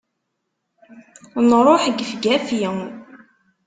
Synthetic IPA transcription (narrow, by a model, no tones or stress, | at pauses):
nɾˤoħəɡəfɡæfjəŋ